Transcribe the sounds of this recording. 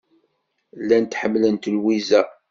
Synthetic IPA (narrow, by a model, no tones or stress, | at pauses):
lːænt̪ħəmːlənt̪lwizæ